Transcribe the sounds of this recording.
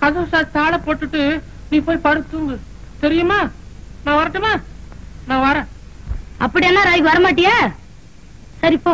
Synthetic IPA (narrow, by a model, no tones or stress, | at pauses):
kɐðɐːsaːt̪aːlɐpoːʈːɯʈːɯ | nĩːpoːjpɐɽɯt̪ːuŋɡɯ | t̪ɛɾɪjɯmaː | nãːʋɐɾɐʈːɯmaːnãːʋɐɾẽː | ɐpːɐɽɪjɛnːaːɾaːjɡɯʋɐɾɐmaːʈ̬ːɪjaː | sɐɾiɪpːoː